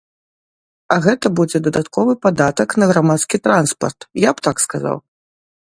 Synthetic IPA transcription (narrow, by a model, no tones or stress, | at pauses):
ɐɣɛt̪ɐbud͡zʲɛd̪ɐd̪at̪kɔvɨpad̪at̪ɐknɐɣɾamat̪skʲit̪ɾanspɐ̰rt̪japt̪akskaza̰w